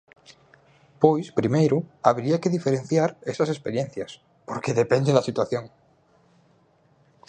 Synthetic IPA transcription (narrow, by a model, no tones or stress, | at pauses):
pojspɾimejɾuaβ̞ɾiakeðifeɾẽn̟θjaɾesase̞speɾjenθjas | poɾkeðepend̪eðasit̪waθjõŋ